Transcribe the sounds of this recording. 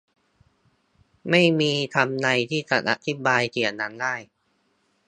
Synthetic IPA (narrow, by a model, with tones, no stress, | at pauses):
ma˥˩jmiː˧t̪ʰa˧mna˧jt̪ʰiː˥˩t͡ɕa˨˩ʔa̰˧t̪ʰi˦˥baː˧jt̪ʰi˨˩ənːa˦˥ndaː˥˩j